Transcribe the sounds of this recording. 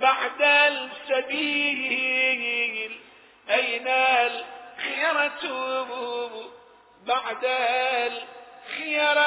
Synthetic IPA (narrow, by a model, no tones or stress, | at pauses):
baʕd̪alsabiːljl | ʔajnalxɪjɑɾˤɑt̪ubb | baʕd̪alxɪjɑɾˤ